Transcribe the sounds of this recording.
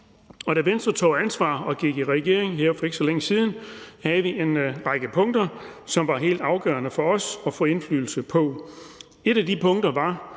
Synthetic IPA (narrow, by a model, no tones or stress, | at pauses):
ɒ̽ɾ̥æʋensd̥ʁɐt͡sʰo̝̰ːænsʋɑ̰̈ːɒ̽ɡ̥iɡ̥iʁɛɡ̥e̝̰ɐ̰eŋɦeɐ̰fɒ̽e̝ɡ̥əsɒ̽leŋəsiːð̞ˠn̩hæð̩ˠʋiʔe̝nʁɑ̈ɡ̥əpʰɔ̽ŋd̥ɐsɒ̽mʋɑ̈ɦe̝̰ːld̥ɑ̈ʊɡ̥œ̰ɐnəfɒ̽ɒ̽sɒ̽fɔ̰ːe̝nfly̰ːl̩səpʰɒ̽ | e̝ɾ̥æd̥ipʰɔ̽ŋd̥ɐʋɑ̈